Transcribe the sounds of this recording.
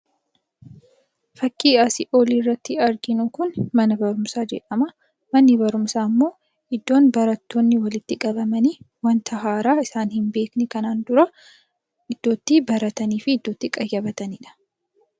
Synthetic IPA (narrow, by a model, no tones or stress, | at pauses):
fɐkːiːɐsɪʔoːliːrːɐt̪ːɪɐɾɡɪnʊkʊnmɐnɐbɐɾʊmsaːd͡ʒɛ̰ᶑɐmɐ | mɐnːɪbɐɾʊmsaːmːo̞ː | ʔɪd̪ːo̞ːnbɐɾɐt̪ːoːnːɪwɐlɪt̪ːɪkʼɐbɐmɐniː | wɐnt̪ʰɐɦaːɾaːɪsaːnhɪmbe̞ːknɛkɐnaːnd̪ʊɾɐ | ʔɪd̪̥ːo̞ːt̪ːibɐɾɐt̪ɐniːfɪːd̪ːo̞ːt̪ːɪkʼɐjːɐbɐt̪ɐnɪᶑɐ̥